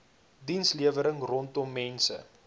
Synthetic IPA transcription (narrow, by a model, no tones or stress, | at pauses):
dinsliəvəɾəŋrɔntɔmːɛnsə̰